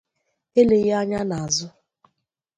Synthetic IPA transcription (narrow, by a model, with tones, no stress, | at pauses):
e˦le˨ɣa˦ɲa˦na˨a˨zʊ˦